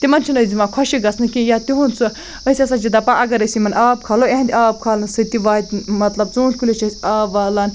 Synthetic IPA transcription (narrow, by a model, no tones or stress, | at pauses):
t̪imɐnt͡ʃʰinoːzimakʰɔʃiɡɐsnɨkijat̪iɦunsu | əsʲiɐsat͡ʃid̪ɐpaʔɐɡɐɾəsʲimɐnaːb̚kʰaːloẽɦɐ̃nd̪ʲaːb̚kʰaːlɨnsɨt̪iʋaːid̪ʲmɐt̪lɐbt͡sũːnlʲkulʲet͡ʃʰɐsʲaːbʋaːlaːn